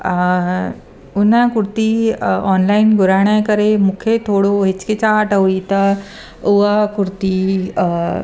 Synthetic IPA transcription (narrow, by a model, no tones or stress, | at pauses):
unãkuɾt̪iɔnlainɡʱuɾaɳ̃jajkəɾemukʰet̪ʰoɽoɦet͡sket͡saːʈəʋit̪ə | uʋakuɾt̪i